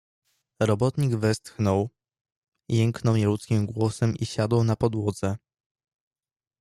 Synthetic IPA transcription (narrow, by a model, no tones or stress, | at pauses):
ɾɔbɔt̪ɲiɡvɛst̪xnɔw | jɛŋknɔwɲɛlut̪skʲimɡwɔsɛmiɕad̪ɔwnapɔd̪wɔd̪zɛ